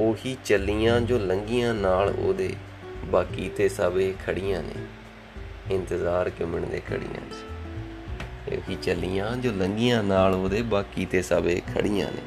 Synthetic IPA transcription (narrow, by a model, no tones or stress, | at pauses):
oːɦiːt͡ʃəlijãːd͡ʒoːləŋɡijãːnaːlo̰ːd̪ḛː | baːkiːt̪eːsaːbeːkʰəɽijãːnḛː | ɪnt̪əzaːɾkɪməɳd̪ḛːkʰə̰ɽḭjã̰ːt͡ʃ | t̪ḛo̰ːhiːt͡ʃəliːjãːd͡ʒoːləŋɡijãːnaːloːd̪eːbaːkiːt̪eːsaːbeːkʰə̰ɽɪjã̰ːnḛː